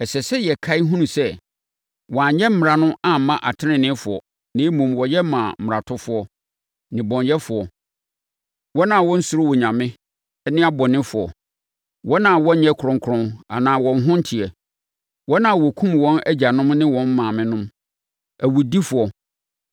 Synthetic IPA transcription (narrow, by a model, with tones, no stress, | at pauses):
ɛ˨sɛ˨sɛ˦jɛ˨kʰa˦i˦ɦũ˦nũ˨sɛ˦ | wɔ˨a˨ɲɛ˦m̩˦m˨ɾa˨nʊ̃˦a˦m̩˨˦mã˦ʔa̰˨tʰɪ˦nɪ̃˨nɪ̃˦fʊ˨ɔ̰˨ | nɪ̃˦mũ˨mwɔ˨jɛ˦mã̰˨m̩˨m̩˨ɾa˨tʰʊ˦fʊ˦ɔ˦ | nɪ̃˨bɔ̃˨ɲjɛ˦fʊ˨ɔ˨ | wɔ˦nã˨wɔ̃˦n̩˦sʊ˨ɾʊ˦wɔ˨ɲã˨mɪ̃˦ | nɪ̃˦a˦bɔ˨nɪ̃˦fʊ˨ɔ̰˨ | wʔɔ˦nã˨wɔ̃˦ɲ̩˦ɲɛ˦kʰʊ˨ɾɔ̃˦ŋ˦kʰɾɔ̃˦na̰˨nãː˨wɔ̃˨n˦ɦʊ̃˦n̩˦tʰi˨ɛ˨ | wɔ˦nã˨wɔ˨kʰũ˦mwɔ̃˦næ˦d͡ʑa˨nʊ̃˦mnɪ̃˦wɔ̃˦m˦mãː˨mɪ̃˦nʊ̃˦m | æ˨wu˨di˦fʊ˨ɔ˨